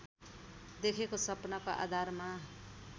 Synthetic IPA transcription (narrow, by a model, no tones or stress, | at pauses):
d̪ekʰekosʌpnakoʔa̰d̪ʱarma